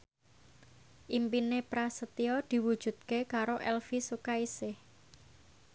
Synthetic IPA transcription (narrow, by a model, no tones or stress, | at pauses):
ʔimpinepɾasət̪iɔd̪̥i̤wud̥ʒ̥ṳt̪̚kekaɾoʔɛlfisukaisɪh